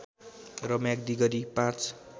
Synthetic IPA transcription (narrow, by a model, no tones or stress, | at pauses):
rʌmjãɡ̚d̪iɡʌɾipãt͡s